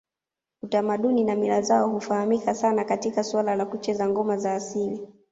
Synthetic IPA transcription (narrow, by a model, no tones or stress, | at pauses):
utamaɗuninamilazaɔhufahamikasanakatikaswalalakut͡ʃɛzaŋɡɔmazaːsili